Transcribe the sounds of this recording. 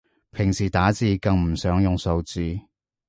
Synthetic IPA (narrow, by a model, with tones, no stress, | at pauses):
pʰɪ˨˩ŋsiː˨˩t̪aː˨˥t͡siː˨˧kɐ˨˧ŋm̩˨˩sœː˨˥ŋjʊ˨ŋso˨˧wt͡siː˨˧